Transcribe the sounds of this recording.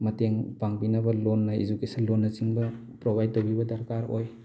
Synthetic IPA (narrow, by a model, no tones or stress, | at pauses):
mɐteŋpaŋbinɐbɐlonːɐḛzukesɐnlonːɐt͡ʃiŋbɐ | pɾobʱajd̚tːɐwbibɐdɐɾkaɾo̰j